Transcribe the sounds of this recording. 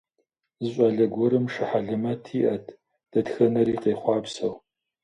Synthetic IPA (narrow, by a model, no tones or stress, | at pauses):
zɨɕʷʼɑːɮɐɡʷɔɾɨmʂɨħaɮɨmɐtʰiːʔɐtʰ | d̥ɐtxɐnɐɾiːqeːχʷɑːbsɐw